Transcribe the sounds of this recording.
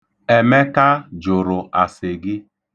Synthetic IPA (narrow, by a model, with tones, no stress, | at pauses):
e˨me˦ka˦d͡ʒʊ˨ɾʊ˨ʔa˨sɪ˨ɡɪ˦